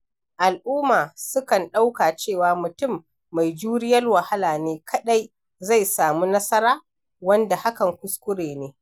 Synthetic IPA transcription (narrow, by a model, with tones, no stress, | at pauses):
ʔa˨lʔʊː˦maː˨sʊ˦kɐ˨nɗa˦wkaː˨t͡ʃeː˦˨waː˨mʊ˨tʊ˦˨mː | a˨jd͡ʒuː˦ɾɪ˦jɐ˦rwɐ˨ha˦laː˨neː˦kʰɐ˦ɗa˦j | za˦˨jsaː˨muː˦nɐ˦sɐ˦ɾaː˦ | wɐ˦nda˨ha˦kɐ˨ŋkʷʊ˦skʷʊ˦ɽeː˨neː˦